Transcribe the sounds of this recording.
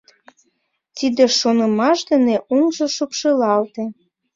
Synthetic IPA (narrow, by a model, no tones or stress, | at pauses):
t̪id̪eʃonəmɑʃd̪ə̆neʔoŋʒoʃupʃəlɑlt̪e